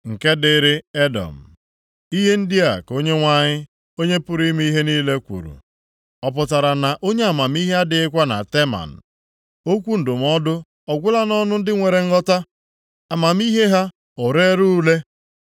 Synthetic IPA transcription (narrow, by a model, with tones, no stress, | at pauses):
ŋ̩˨ke˦dɪ˨˦ɾɪ˦e˦dɔ̰˨m̩˨ | i˦ɦe˦n̩˦dɪ˦a̰˨ko˦ɲe˦ŋʷa˦ɲɪ˦ | o˦ɲe˦pʊ˦ɾi˦m˦i˦ɦe˦niː˦le˦kʷṵ˨ɾṵ˨ | ɔ˨p̬ʊ˨ta˨ɾa˨na˨ʔo˦ɲe˦a˨ma˨mi˦ɦe˦a˦dɪ˨ɪ˦kʷa˦na̰˨te˦ma̰˨n̩˨ | o˦kʷu˦n̩˨dʊ˨m˦ɔ˦dʊ˦ | ɔ˨ɡʷʊ˦la˦nɔ˦nʊ˦n̩˦dɪ˦ŋʷe˨ɾe˨ŋ̩˦ɔ˦ta˦ | a˨ma˨m˦i˦ɦe˦ɦa˦ | ʊ˨ɾe˦ɾu˦le˦